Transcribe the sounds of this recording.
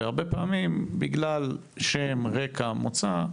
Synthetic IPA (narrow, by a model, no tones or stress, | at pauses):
aʁbepaːmimbiɡlal | ʃemʁekʰamot͡sa